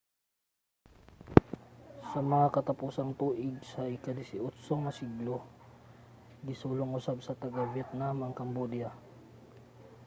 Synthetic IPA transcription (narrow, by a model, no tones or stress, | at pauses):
sɐmɐŋakɐt̪ɐpuːsɐŋt̪uːʔɪɡ̚sɐɪkad̪ɪsɪʔʊt̪soŋɐsiɡlo | ɡɪsuːloŋʊsab̚sɐt̪ɐɡavɛt̪̚namɐŋkɐmbod̪ja